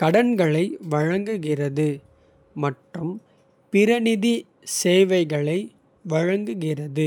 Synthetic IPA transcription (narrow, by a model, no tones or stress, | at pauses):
kɐɽɐnɡɐɭɐɪʋɐɻɐŋɡɯɣɪrɐðɯ | mɐʈrɯm | pɪɾɐnɪði | seːʋɐɪɣɐɭɐɪ | ʋɐɻɐŋɡɯɣɪrɐðɯ